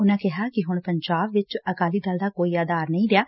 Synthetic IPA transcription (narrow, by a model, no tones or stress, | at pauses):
ʊnãːkɪɦaːkɪɦʊɳpəɲd͡ʒaːbʋɪt͡ʃəkaːliːd̪ald̪aːkoːiːaːd̪aːɾnəĩːɾɪaː